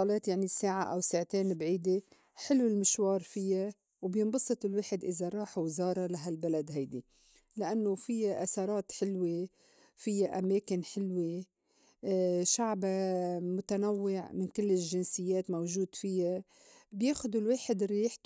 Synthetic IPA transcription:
ɑleːt̪jaʕnisaːʕaʔawsaːʕt̪eːnbʕiːd̪e | ħɪlwɪlmɪʃwɑːɾˤfɪjːa | wbjɪnbɑsˤːɨt̪ˤɪlweːħɪd̪ʔɪzaɾˤɑːħwɪzɑːɾˤɑlaɦalbalad̪ɦajd̪i | lɪʔanːofɪjːaʔasɑɾˤɑːt̪ħɪlwe | fɪjːaʔameːkɪnħɪlwe | ʃaʕbamʊt̪anawːɪʕmɪnkɪlːɪlʒɪnsɪjːeːt̪mawʒuːd̪fɪjːa | bjeːxʊd̪ulweːħɪd̪ɾiːħ

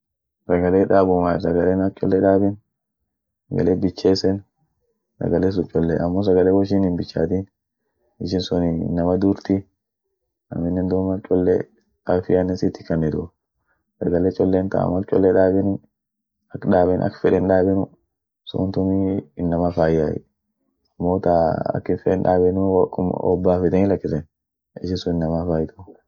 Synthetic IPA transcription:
sɐɡɐleːᶑaːbʊmaːsɐɡɐleːnɐk̚t͡ʃʼɔlːɛᶑaːbɪn | sɐɡɐ̰leːbɪt͡ʃːeːsɛn | sɐ̰ɡɐles̬ʊt͡ʃʼɔlːeːʔɐmːoːs̬ɐɡɐleːwɔʃ̬iːnɪnbɪt͡ʃːa̰ːt̪in | ɪʃ̬ɪnsɔninːɐmɐd̪uːɾt̪i | ɐ̰mɪnːɛnd̪uːmɐk̚t͡ʃʼɔlːḛ | ɐfɪʔɐnːɛsɪt̪ːɪ̥kɐnɛd̪ɔ | sɐɡɐlɛt͡ʃʼɔlːeːnt̪a̰ːmɐkt͡ʃʼɔlːɛᶑaːbɛnɪn | ɐkᶑaːbɛnʔɐ̰kːfɛᶑɛnᶑaːbɛnʊ | sɔ̰nt̪ʊmiɪnːɐmafaːjːaːʔɛ̰ | ɐmːoːt̪aɐ̰kːɪnfɛᶑɛnᶑa̰ːbɛnʊkɔ̰bːaːfɛt̪ɛnhɪlɐkːɪsɛn | ɪʃɪnsɔnɪnːɐmafaːjt̪ʊ̥

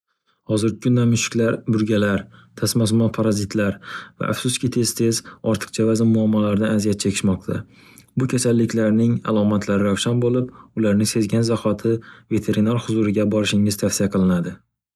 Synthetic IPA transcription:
hɒzɪɾɪkʰʲʊnd̪anmʊʃɪ̥kʲlaɾbʊɾɡʲalaɾt̪ʰasmasmɒnpʰaɾazɪt̪ʰlaɾva̰ʔa̰fsʊskʲɪt̪ʰe̞z̥t̪ʰe̞zɒɾt̪ʰɨ̥qt͡ʃʰavazɪnmʊamːɒlaɾd̪anazijat̪̚t͡ʃʰekʲʰɪ̥ʃmɒq̚t̪ʰa̰ | bʊkʲʰasalːɪkʲʰlaɾnɪŋa̰lˠɒmat̪ʰlaɾɪɾawʃanbolɪpʊlaɾnɪŋse̞zɡʲanzahɒt̪ʰɪve̞t̪ʰe̞ɾinaɾhʊzuɾɪɡʲabɒɾɪʃɪŋɪzt̪ʰafsijaqʰɨlˠɪnad̪ɪ

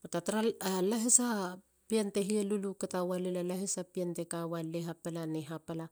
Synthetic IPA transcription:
otataɾaalaɦesa | pianteɦieluluketawalelalaɦesapiantekawaleɦapalaneɦapala

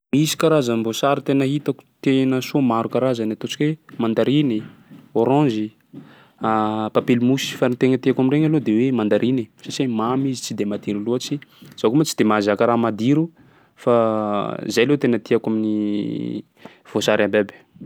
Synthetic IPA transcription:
misi̥kaɾazənivosaɾit̪enəɦit̪aku̥t̪enəsomaɾukaɾazanat̪ot͡ʃi̥kʲwemãnd̪aɾinioɾɔ̃zi | apapelmusi̥fanit̪eŋət̪iakamiɾeɲalod̪ewemãnd̪aɾʔinisasimamizit͡sid̪emad̪iɾuloat͡ʃiz̥akumat͡sid̪emazakaɾaːmad̪iɾu | fa | zajlewt̪enət̪iakamini | v̥osaɾambebe̥

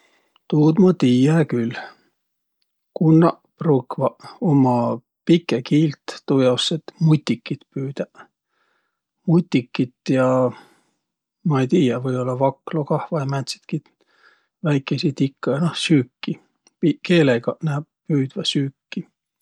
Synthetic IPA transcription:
t̪uːd̪mɑt̪iːjækyl | kunːɑ | prukvɑomɑ | pikːˑekiːlt̪ːujɑwset̪mut̪ʲːikːit̪pyːd̪̥æ | mut̪ʲːikːit̪jɑ | mɑejt̪iːjævɤjo̞lːɑvɑkːlokɑhvɑjɑmæt̪si̥t̪ki | væjkːˑesit̪ikːɑjnɑhsyːkːi | pikeːleɡ̥ɑnæːp̚pyːd̪̥vɑsyːkːi

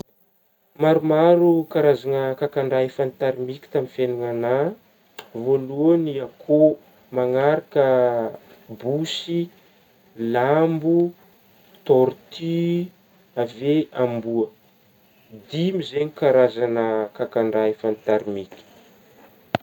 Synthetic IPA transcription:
maɾumaɾukaɾazanəkakaɳɖ͡ʐaefant̪aɾimikʲi̥t̪amifenuŋana | voluəniakʰo | maŋaɾakə | busi | lambu | t̪ɔɾt̪ʰi | aveambuə | d̪imizeɲikaɾazanəkakaɳɖ͡ʐaefant̪aɾimikʲi̥

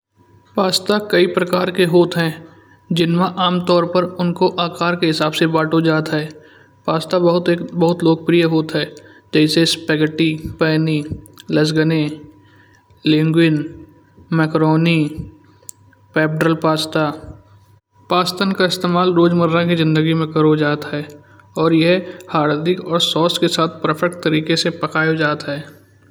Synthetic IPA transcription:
paːst̪akɐipɾəkaːɾkeɦoːt̪ɦɛ̃ː | d͡ʒɪnmãʔaːmt̪ɔːɾpəɾʊnkoʔaːkaːɾkeɦɪsaːbsebaːʈod͡ʒaːt̪ɦɛː | paːst̪abɐɦʊt̪ːbəɦʊt̪loːɡ̚pɾijəɦoːt̪ɦɛː | d͡ʒɛːsespɛːɡəʈːipɛːniləs̬ɡəne | lɪ̃ŋɡwɪn | mɛːkɾoːni | pɛːbɖɾəlpaːst̪a | paːst̪ənkaɪst̪eːmaːlɾoːd͡ʒməɾːakizɪ̃nd̪əɡimẽkəɾod͡ʒaːt̪ɦɛː | ɔːɾjɛɦhaːɾd̪ɪkɔːɾsɔːskesaːt̪̚ʰpəɾpʰɛk̚ʈt̪əɾiːkesepəkaːjod͡ʒaːt̪ɦɛː

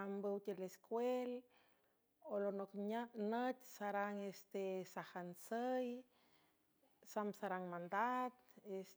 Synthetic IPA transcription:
ambəwt̪eleskwel | olonokɲnət̪saɾaŋest̪esahansəj | samsaɾaŋmand̪at̪̚es

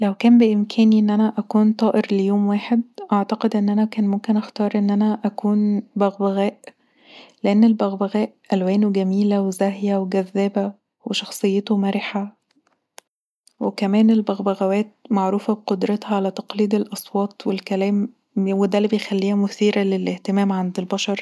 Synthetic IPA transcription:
læwkæːmbeʔɪmkʰæːniʔenːʔænæʔækuːnt̪ˤɑːʔeɾlejoːmwæːħed̪ʔaʕt̪ɑqed̪ʔenːʔænækæːnmomkenʔɑxt̪ɑːɾˤʔenːʔænæʔækuːnbæɣbæɣæːʔ | leʔenːelbæɣbæɣæːʔʔælwæːnuɡæmiːlæwezæhjæweɡæðːæːbæ | weʃɑxsˤɨjːet̪omæɾeħa | wekæmæːnelbæɣbæɣæwæːt̪̚maʕɾuːfæbeqod̪ɾɑt̪hɑʕalæt̪ɑqliːd̪elʔɑsˤwɑːt̪ˤwelkælæːm | wed̪ælːibejxælːiːhæmʊθiːɾælelʔeht̪emæːmʕand̪elbɑʃɑɾˤ

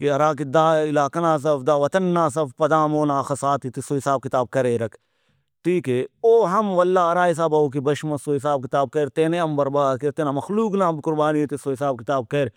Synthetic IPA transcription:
kiɐɾaːkid̪aːɪlaːkɐnãːs̬ɐfd̪aːʋɐt̪ɐnːaːs̬ɐfpɐd̪aːmoːnaːxɐsaːt̪it̪isoːɦisaːb̚kɪt̪aːb̚kɐɾeːɾɐkʰ | ʈʰiːkeːoːɦɐmʋɐlːaːɐɾaːis̬aːbɐoːk̬ibɐʃmɐsoːɦis̬aːb̚kɪt̪aːb̚kɐɾt̪eːneɐmbɐɾbaːd̪̚keɾt̪eːnaːmɐxluːknaːbkʊɾbaːnit̪isoːɦisaːb̚kɪt̪aːb̚kɐɾ

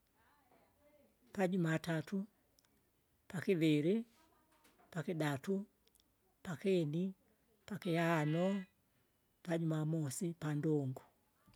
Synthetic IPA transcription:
pad͡ʒumatatu | pakiβiɾi | pakiɗatu | pakɛni | pakiaanɔ | pad͡ʒumamɔsipandɔŋɡu

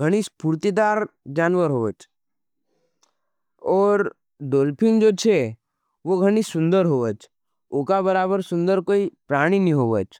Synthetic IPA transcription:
ɡʱəɽ̃ispuɾt̪id̪aːɾd͡ʒaːnʋəɾɦoːət͡ʃ | ɔːɾ | ɖoːlpʰɪ̃ŋɡd͡ʒoːt͡ʃʰe | ʋoɡʱəɽ̃isʊ̃nd̪əɾɦoːʋət͡ʃ | oːkabəɾaːbəɾsʊ̃nd̪əɾkoːipɾaːɽ̃inĩɦoːʋət͡ʃ

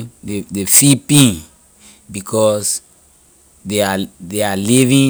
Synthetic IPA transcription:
dedefipĩn | bikʰɔs | deadealivĩ

